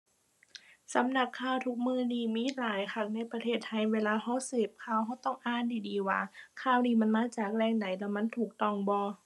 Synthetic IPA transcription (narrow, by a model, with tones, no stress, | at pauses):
sa˨˦mna˨˩p̚kʰːaː˧˩˨wt̪ʰu˧˥k̚mɯː˧˩˨niː˧˩miː˧˥˨laː˨˦jkʰa˧˩k̚na˧˥˩jpɾa˧t̪ʰeː˧˩t̪ʰːa˧˩jweː˧laː˧ɦɔ˧˥˨sɯː˨˩p̚kʰaː˧˩˨wɦɔ˧˩wt̪ɔ˥˩ŋʔaː˧˥˨ndiː˨˩diː˨˦wa̰ː˧˦kʰaː˧˩wniː˧˩ma˧˥˨nmaː˧˥˨t͡ɕaː˨˩k̚lɛː˧˩ŋda˨˦jlɛː˧˩wma˧˥˨nt̪ʰuː˨˩k̚t̪ɔ˧˩ŋbɔː˧